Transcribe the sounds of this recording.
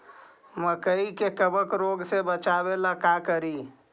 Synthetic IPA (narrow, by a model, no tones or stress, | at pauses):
məkəikekəbəkɾoɡsebət͡ʃabelakakəɾi